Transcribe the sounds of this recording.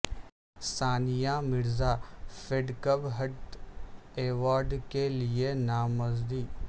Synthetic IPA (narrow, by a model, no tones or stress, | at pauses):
saːnɪjãːmɪɾzaːfeɖkəbɦɐʈ | eːʋaːɾɖkelɪenaːməzd̪iː